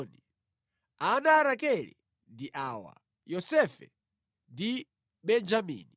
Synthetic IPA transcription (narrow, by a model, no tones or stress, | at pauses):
ni | anaːɾakɛlḭ | ndiʔawa̰ | jɔsɛfɛ | ndi | ɓɛnd͡ʒamḭːni